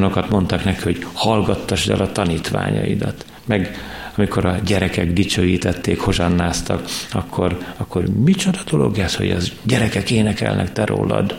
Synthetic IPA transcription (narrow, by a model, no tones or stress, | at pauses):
no̞kɒt̪mo̞nt̪ɒknɛkihoɟhɒlɡɒt̪ːɒʃd̪ɛ̰lʔɒt̪ɒniːt̪ʋa̰ːɲɒ̰ḭd̪ɒt̪ | mɛɡɒmiko̞ɾɒɟɛɾɛkɛɡd̪it͡ʃøːjiːt̪ɛt̪ːeːkho̞ʒɒnːaːst̪ɒkɒkʰːo̞rɒkːo̞rmit͡ʃo̞d̪ɒd̪o̞lo̞̰ɡɛsho̞̰ɟɒɟɛɾɛkɛkeːnɛkɛ̰lnɛ̰kt̪ɛɾo̰ːlːɒ̰d̪